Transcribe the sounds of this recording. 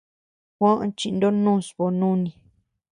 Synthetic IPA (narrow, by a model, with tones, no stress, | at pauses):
kʷã˦ʔt͡ʃi˧nd̪o˦nũː˦˨sβo˧nũ˦nĩ˨